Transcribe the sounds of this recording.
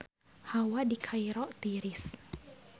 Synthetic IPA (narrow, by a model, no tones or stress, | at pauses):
hawadikʰaijɾɔʔt̪iɾis